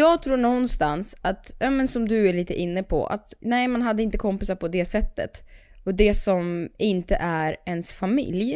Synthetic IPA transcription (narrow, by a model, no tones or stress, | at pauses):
jɑːɡt̪ʰɾuːɳɔnːst̪ansat̪jɑːmɛnsɔmd̪ɵæɭiːt̪əʔɪnːəpʰɔ̰ʔa̰t̪nɛɪmanɦad̪ːəɪnt̪əkʰɔmpɪsaɾpʰɔd̪ɛsɛt̪ːə̰t̪ɔd̪ɛsɔmɪnt̪ə̰ʔæɾɛnsfamɪ̰lj